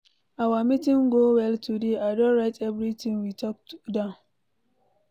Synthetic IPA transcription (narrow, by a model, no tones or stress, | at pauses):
ʔawaːmitiŋɡɔwɛltudeʔadɔɾɛtɛbɾitinwitɔk̚dan